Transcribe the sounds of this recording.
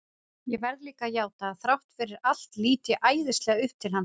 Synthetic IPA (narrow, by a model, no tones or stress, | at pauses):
jɛvɛɾðliːkajaːwt̪aːðθɾawht̪fɪːɾɪɾal̥t̪liːt̪ɪʔaːjðɪst̪lɛɣaʏhp̚t̪ʰɪlɦanː